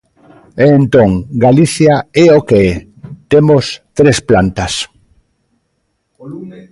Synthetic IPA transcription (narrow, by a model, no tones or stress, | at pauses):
eːnt̪oŋɡaliθjaɛokeɛ | t̪emost̪ɾesplant̪ɐs